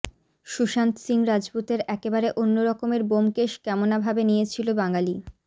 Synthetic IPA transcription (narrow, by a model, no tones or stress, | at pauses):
ʃuʃant̪siŋɾad͡ʑput̪eɾɛkebaɾeʔonːoɾɔkomeɾbomkeʃkɛmonabʱabenijet͡ɕʰilobaŋali